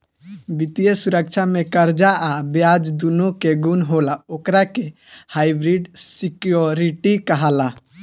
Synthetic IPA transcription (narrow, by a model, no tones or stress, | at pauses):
bit̪ijəsuɾək̚t͡ʃʰamekəɾd͡ʒaʔabjad͡ʒd̪unokeɡunɦolaokɾake | hajbɾiɖsikjoɾiʈikəɦala